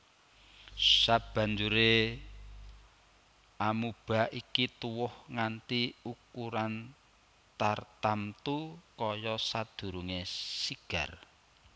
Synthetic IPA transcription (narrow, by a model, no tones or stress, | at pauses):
sab̥ä̤ɲd͡ʒuɾe | amub̥a̤ʔikit̪uwʊhŋant̪iukuɾan | t̪art̪amt̪ukɔjɔsad̪̥ṳɾuŋesiɡ̥a̤r